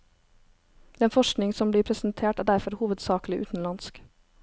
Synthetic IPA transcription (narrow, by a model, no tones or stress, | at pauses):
d̪̥ɛːnfɔʃknɪŋsɔmbliːɾpʰɾɛsn̩t̪ʰeːʈæːɖæɾfɔɾhuːʋəd̪sɑːklɪʔʉ̰ːt̪n̩lɑnsk